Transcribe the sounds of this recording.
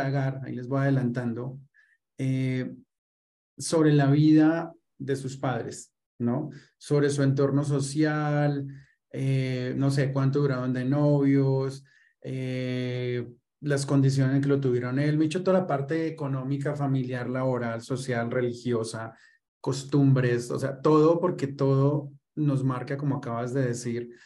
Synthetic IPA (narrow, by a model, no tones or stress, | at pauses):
aɣaɾaḭle̞zbo̞jað̞e̞lant̪and̪o̞ | e | so̞βɾe̞laβiða | ðe̞suspaðɾe̞̰s | no̞ | so̞βɾe̞s̬ue̞nt̪o̞ɾno̞s̬o̞sjal | eno̞s̬e̞kwant̪̬oðuɾaðo̞nd̪e̞no̞βjo̞s | e | lasko̞nd̪is̬jonseŋk̬e̞lo̞t̪̬uβje̞ɾone̞lmeet͡ʃot̪o̞ðalapaɾt̪e̞ːko̞no̞mik̬afamiljaɾlaβo̞ɾalso̞sjalre̞lixjo̞sa | ko̞st̪umbɾe̞so̰se̞at̪o̞ðo̞po̞ɾke̞t̪o̞ðo̞ | no̞zmaɾkako̞mo̞akaβazd̪e̞ðe̞siɾ